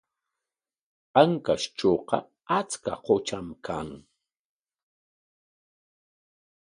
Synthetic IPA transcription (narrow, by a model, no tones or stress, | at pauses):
paŋkast͡ʃoːqɑ̰ | at͡ska̰qot͡ʃamkʰaŋ